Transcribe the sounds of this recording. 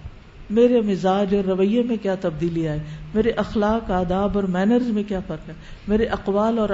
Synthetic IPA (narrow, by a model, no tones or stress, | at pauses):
meːɾemɪzaːd͡ʒɔːɾːɐʋəjẽmẽkjaːt̪ɐb̚d̪iːliaːɦemeːɾeʔɐxlaːkaːd̪aːbɔːɾmɛːnəɾzmẽkjaːfɐɾkaːɦe | meːɾeʔɐqʋaːlɔːɾ